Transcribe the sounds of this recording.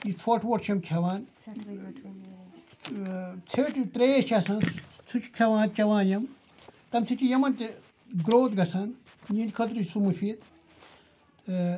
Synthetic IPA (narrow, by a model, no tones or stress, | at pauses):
it͡sʰoʈʰʋoʈt͡ʃʰɐmkʰɐʋaːn | t͡sʰeʈt̪ɾeːt͡ʃʰasɐ̃nt͡sʰut͡ʃʰkʲʰɐʋãːnt͡ʃɐʋãːjɐm | t̪ɐmsʰit͡ʃijɐmɐnt̪ʲ | ɡɾoːt̪ɡɐsɐn | jinʲkʰɐt̪̬ɾisumufiːt̪